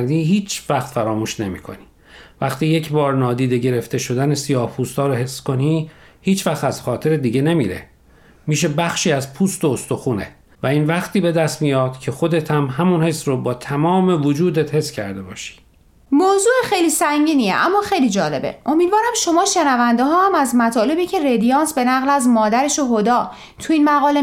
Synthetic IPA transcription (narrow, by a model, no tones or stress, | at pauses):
ɾd̪iːɦiːt͡ʃvæxt̪fæɾɒːmuːʃne̞mḭːkʰo̞̰ni | væxt̪iːje̞cʰbɒːɾnɒːd̪iːd̪e̞ɟe̞ɾe̞ft̪e̞ʃo̞d̪ænesijɒːhpʰuːst̪ɒːɾohe̞sːko̞ni | hiːt͡ʃvæxt̪æz̥xɒːt̪ʰe̞ɾed̪iːɟe̞ne̞mḭːɾe̞̰ | miːʃ̬e̞bæxʃiːæzpʰuːst̪oost̪oxuːnḛ | væiːnvæxt̪ʰiːbe̞d̪æst̪mijɒːd̪̥cʰe̞xo̞d̪et̪ʰæmɦæmunhe̞srobɒːt̪ʰæmɒːme̞vod͡ʒuːd̪et̪he̞sːcʰæɾd̪e̞bɒ̰ːʃi̥ | moːzuːexejliːsæŋɟiːniḛʔæmːɒːxejliːd͡ʒɒːle̞bḛʔo̞miːd̪vɒːɾæmʃo̞mɒːʃe̞nævænd̪eɦɒːhæmæzmæt̪ʰɒːle̞biːcʰe̞red̪ijɒːnsbe̞næɣlæzmɒːd̪æɾeʃoɦod̪ɒː | t̪ʰuiːnmæɣɒːle